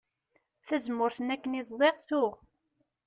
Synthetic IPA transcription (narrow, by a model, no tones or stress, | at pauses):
θæzmʊɾθənækːəniðˤzˤeʁθʊʁ